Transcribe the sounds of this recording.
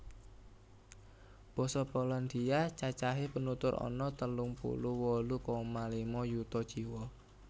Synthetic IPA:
b̥ɔ̤sɔpɔland̪iat͡ʃat͡ʃaɦepənut̪ʊɾɔ̰nɔt̪əlʊŋpṵluwɔlukɔmalimɔjut̪ɔd̥ʒ̥iwɔ

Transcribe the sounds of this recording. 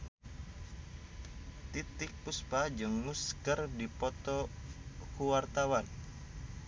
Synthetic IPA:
t̪it̪ɪk̚puspad͡ʒəŋːuskərdipɔt̪ɔ | kuwart̪awan

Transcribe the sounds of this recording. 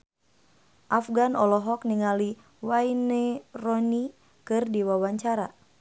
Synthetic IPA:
ʔafɡanɔlɔɦɔk̚niŋali | wainɛrɔni | kɨrdiwawaɲt͡ʃaɾa

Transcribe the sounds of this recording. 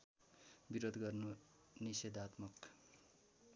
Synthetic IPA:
biɾod̪ɡʌrno | nised̪at̪mʌk

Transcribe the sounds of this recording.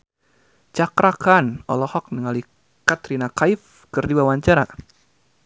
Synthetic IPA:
t͡ʃakɾakanɔ̰lɔhɔk̚nəŋali | kat̪ɾinakaif | kɨrdibawaɲt͡ʃaɾa̰

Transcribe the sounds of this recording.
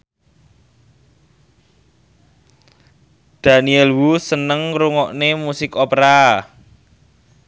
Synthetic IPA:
d̪̥a̤niɛlwusənəŋɾuŋɔʔnemusɪkopɾa

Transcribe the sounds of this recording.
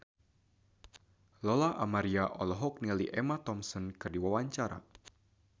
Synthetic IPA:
lɔlaamaɾiaʔɔlɔɦɔk̚niliʔɛmat̪ɔmsɔnkɨrdiwawaɲt͡ʃaɾa̰

